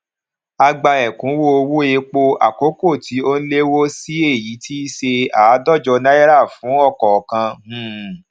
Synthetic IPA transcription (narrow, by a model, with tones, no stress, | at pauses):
a˧ɡ͡ba˧ɛ˨kũ˨˦wo˦o˧wu˦e˧k͡po˦a̰˨ko˨˦ko˦˨tʰi˨˦o˦n̩˦le˦wo˦si˦e˦˨ji˨˦tʰi˦ʃe˧aː˨˦dɔ˦˨d͡ʒɔ˧nã˦jɛ˦ɾa˦˨fũ˨˦ɔ˦˨kɔ˨kã˧m̩̃˦˨